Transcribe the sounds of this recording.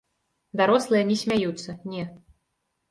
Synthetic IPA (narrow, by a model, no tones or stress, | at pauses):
d̪aɾɔslˠɨjɐnʲɛsʲmʲajut̪sːɐnʲɛ